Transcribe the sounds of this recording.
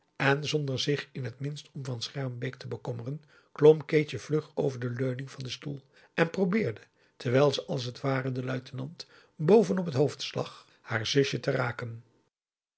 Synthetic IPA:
ɛnzɔndəɹzɪχɪnɦətmɪnstɔmvɑnsχɛɹmbejk̚təbəkɔmərən | klɔmkejt͡ʃəv̥lɵχowvəɹdəløɥnɪŋvɑndəstulˠ | ʔɛnprowbɪːɹdə | tɛɹʋɛjlˠzəʔɑlˠs̬ətʋaːrəndəlœɥtənɑnt | bowvənɔpətɦowftslɑ̰χ | haːɹzɵʃətəraːkən

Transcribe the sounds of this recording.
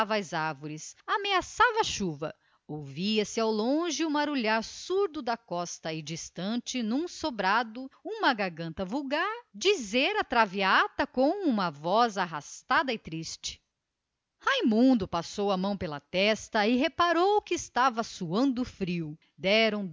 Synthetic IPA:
vajzaɾvoɾɪsameasavɐɐʃuvɐ̰ | owviɐsɪawlõʒɪũmaɾuʎaɾsuɾd̪ʊd̪ɐkɔst̪ɐɪd͡ʒist̪ɐ̃nt͡ʃɪnũsobɾad̪ʊũmɐɡaɾɡɐ̃nt̪ɐvuwɡaɾd͡ʒizeɾɐt̪ɾaviat̪ɐkõw̃ũmɐvɔzaɦast̪ad̪ɐɪt̪ɾist͡ʃɪ̥ | hajmũnd̪ʊpasowɐmɐ̃w̃pelɐt̪ɛst̪ɐɪɦepaɾowkɪːst̪avɐsuɐ̃nd̪ʊfɾiw | d̪ɛɾɐ̃w̃

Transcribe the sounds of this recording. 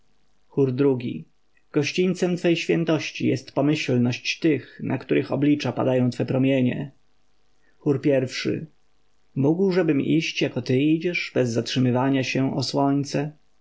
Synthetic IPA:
xuɾd̪ɾuɡʲḭ | ɡ̥ɔɕt͡ɕiɲʲt̪sɛmt̪fɛjɕfʲjɛnt̪ɔɕt͡ɕijɛst̪pɔmɘɕlnɔɕt͡ɕt̪ɘxnʔakt̪uɾʔɘxɔblʲit͡ʂapa̰d̪ajɔ̃w̃t̪fɛpɾɔmʲjeɲɛ̰ | xuɾpʲjɛɾfʂɘ̰ | muɡwʐɛbɘmiɕt͡ɕjakɔt̪ɘid͡ʑɛʂbɛzːatʂɘmɘvaɲaɕɛʔɔswɔɲt̪sɛ

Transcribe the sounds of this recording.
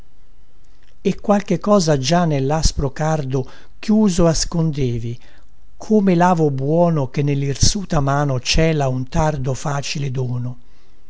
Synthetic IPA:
ekːwalk̟ekːɔːzad͡ʒanːelːaspɾokard̪o | k̟juːzoaskond̪eːvi | kʰoːmelaːvobwɔːnokenːelːirsuːt̪amaːnot͡ʃɛːlaunt̪ard̪ofaːt͡ʃiled̪ɔːno

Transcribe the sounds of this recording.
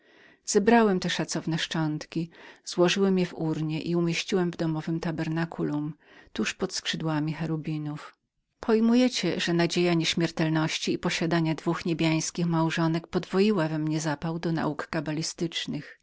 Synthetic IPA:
z̥ɛbɾawɛmt̪ɛʂat̪sɔvn̪ɛʂt͡ʂɔnt̪kʲiz̥wɔʐɘwɛmjɛvuɾɲɛʔiumʲjeɕt͡ɕiwɛmvd̪ɔmɔvɘmt̪abɛɾnakulum | t̪uʂpɔt̪skʂɘd̪wamʲixɛɾubʲinuf | pʰɔjmujɛt͡ɕɛʐɛnad͡ʑejaɲɛɕmʲjɛɾt̪ɛlnɔɕt͡ɕiːpɔɕad̪aɲad̪vuxɲebʲjaj̃skʲixmawʐɔnɛkpɔd̪vɔjiwavɛmɲɛzapawd̪ɔna̰ukkabalʲist̪ɘt͡ʂnɘx

